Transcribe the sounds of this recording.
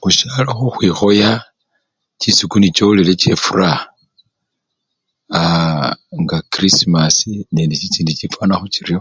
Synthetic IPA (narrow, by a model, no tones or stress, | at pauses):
xuʃalaxoxwixo̞ja | t͡ʃisikunit͡ʃolilet͡ʃefura | a | ŋɡakɾisimasinendit͡ʃit͡siːndit͡ʃifwanaxut͡ʃiɾio